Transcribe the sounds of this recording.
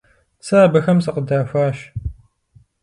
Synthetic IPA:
sɐːbɐxɐmsɨqədaːfʷaːʃ

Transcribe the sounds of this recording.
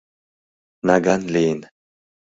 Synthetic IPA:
naɡanliːn

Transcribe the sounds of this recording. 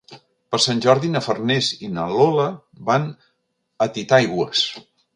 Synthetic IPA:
pəɾsanʲʒɔɾðinəfərnezinəlɔlə | ban | ət̪it̪aajɣwəs

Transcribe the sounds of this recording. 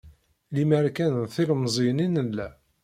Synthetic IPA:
limæɾkænənθilmzˤininəlːæ

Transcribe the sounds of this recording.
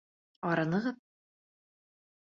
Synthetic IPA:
ɒɾɤ̆nɤ̆ʁɤt̪

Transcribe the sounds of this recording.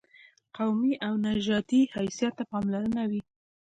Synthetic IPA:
qawmiʔawnaʒɑt̪ihajsijat̪ːapɑmlaɾənawi

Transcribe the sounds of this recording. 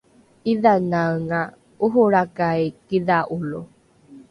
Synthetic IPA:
iðanaŋa | uɦuɾakajkiðaʔulu

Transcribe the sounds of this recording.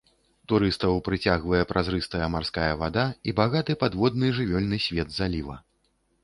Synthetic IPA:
t̪uɾɨst̪ɐwpɾɨt͡sʲaɣvɐjɛpɾʔazɾɨst̪ɐjɐmarskajɐvad̪aibaɣat̪ɨpad̪vɔd̪̚nɨʐɨvʲɔlʲnɨsʲvʲɛd̪zalʲivɐ̰

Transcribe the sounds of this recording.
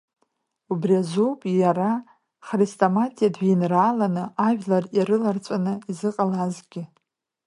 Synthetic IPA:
ubriazowpʼjara | χristʼomatʼijadʒinraːlanɨaʒᶣlariɾɨlart͡sʷʼanɨizɨqʼalazɡʲɪ

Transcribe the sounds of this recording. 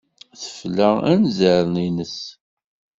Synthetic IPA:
θə̥flæænzəɾninəs

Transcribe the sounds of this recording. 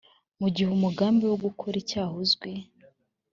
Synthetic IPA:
muɟihumuɡaːmbewoɡukʰoɾicaːɦozɡwi

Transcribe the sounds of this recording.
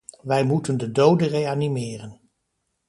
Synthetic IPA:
ʋɛjmutəndədowdərejanimɪːrən

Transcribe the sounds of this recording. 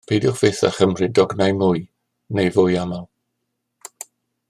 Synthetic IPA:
pʰejdɪχv̥eθa̰χəmrɨdɔɡnajmʊj | nejvʊjamalˠ

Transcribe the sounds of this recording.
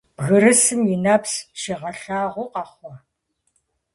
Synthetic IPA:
bɣɨɾɨsɨmjɪnɐpsʃeʁɐɬaːʁʷʊqɑχʷɔ

